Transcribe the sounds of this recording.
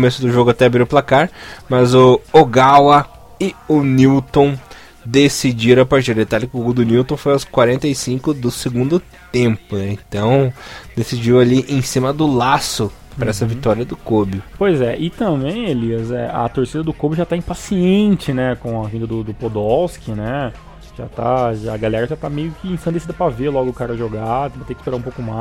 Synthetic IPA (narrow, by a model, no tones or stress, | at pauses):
omesʊd̪ʊʒoɡʊat̪ɛabɾiɾʊplakaɾmɐzʊoɡawɐ | ɪʊniwt̪õ | d̪esid͡ʒiɾɐ̃apaɾt͡ʃiɾd̪et̪alɪkɪoɡud̪ʊniwt̪õw̃fojawskwaɾẽnt̪ɐjsĩŋkʊd̪ʊseɡũnd̪ʊ | t̪ẽmpʊnɛẽt̪ɐ̃w̃d̪esid͡ʒiwaliʔẽj̃sĩmɐd̪ʊlasʊ | pɾɐɛsɐvit̪ɔɾiɐd̪ʊkobɪpojzɛʔɪt̪ɐ̃bẽj̃eliɐzɛ̰ɐ̰t̪oɾsid̪ɐd̪ʊkobɪʊʒat̪aĩpasiẽnt͡ʃɪnɛkõw̃ɐvĩnd̪ɐd̪ʊd̪ʊpod̪ɔskɪnɛ | ʒa̰t̪a̰ʒaɐɡalɛɾɐʒat̪amejʊkɪẽsɐ̃d̪esid̪ɐpɾɐveɾlɔɡʊːkaɾɐʒoɡaẽpɾɐt̪ekɪspeɾaɾũpowkʊma